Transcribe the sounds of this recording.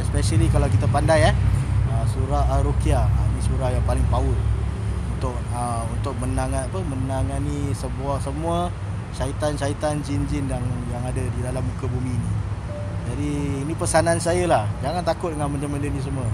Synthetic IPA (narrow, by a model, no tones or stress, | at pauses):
ɛspɛʃəlikalawk̬it̪əpandajɛhəsuɾaɦɾokiaənisuɾahjaŋpalɪŋpaʊl | unt̪ʊk̚ | əunt̪ʊk̚mənaŋanapəmənaŋanisəbuahsəmuə | ʃait̪anʃait̪and͡ʒind͡ʒɪnjaŋjaŋadədidalamːukəbumiːni | d͡ʒadiːnipəsanansajəlahd͡ʒaŋant̪akʊt̪̚dəŋanmənd͡ʒaməndənis̬əmuə